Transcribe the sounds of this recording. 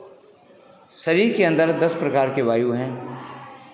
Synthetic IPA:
sɐɾiɾkeɐ̃nd̪əɾd̪ɐspɾɐkaːɾkeʋaːjuɦɛ̃ː

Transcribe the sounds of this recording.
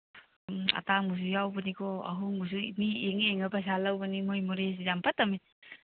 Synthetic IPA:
ma̰taŋus̬ujawbanikʰɔa̰ɦuŋbus̬unieŋeŋəpas̬alawbanimojmuɾes̬izampʰatami

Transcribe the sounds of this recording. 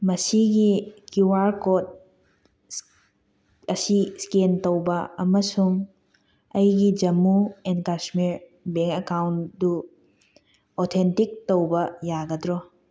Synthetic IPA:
mɐsiɡikuwaɾkot̚ | ɐsiskentowbɐɐmɐsuŋ | ɐjɡid͡ʒɐmuenkasmiɾ | beŋkekawndu | otʰentik̚towbɐjaɡɐdɾɔ

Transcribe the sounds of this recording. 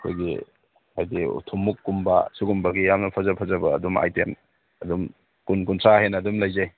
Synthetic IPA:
ɐkʰo̰jɡḭ | hajdiṵtʰumːukːumbasuɡumbɐɡijamnɐpʰɐzɐpʰɐzɐbɐ̰ːduma̰jtem | ɐdum | kunkuntʰɾahenɐdumlɐjzaj

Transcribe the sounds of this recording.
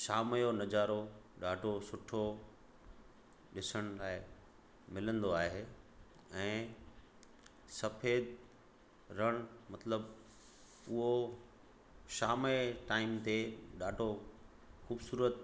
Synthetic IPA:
ʃaːmjonɐd͡ʑaːɾoɗaːɖʱosʊʈʰo | ɗɪsəɽ̃ʊlaːɪ | mɪlə̃nd̪oaːɦe | ɛ̃ː | sɐfeːd̪ | ɾɐɽ̃mɐt̪ləb | ʊɦo | ʃaːmeʈaːɪmt̪eɗaːɖʱo | xuːbsuːɾət̪

